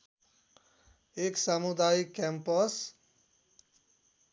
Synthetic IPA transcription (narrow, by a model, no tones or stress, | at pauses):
eksamud̪ajikːɛmpʌs